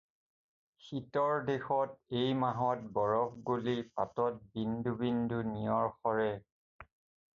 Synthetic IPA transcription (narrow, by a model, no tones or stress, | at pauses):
xitɔɹdexɔtejmaɦɔt̚bɔɹɔkɡolipatɔt̚bindubindunijɔɹxɔɹɛ